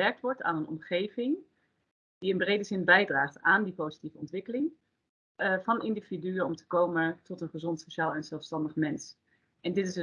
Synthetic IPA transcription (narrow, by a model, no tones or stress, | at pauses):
ɛɹk̚tʋɔɹta̰ːnənɔ̰mχejvɪŋ | d̥iɪnbrejdəzɪnbɛjdraːχtaːndipozitivəɔntʋɪkəlɪŋ | vɑnɪndividyəɔmtə̥kowmətɔtənχəzɔntsoʃaːlˠɛnzɛlˠfstɑndəχmɛns | ʔɛndɪtɪs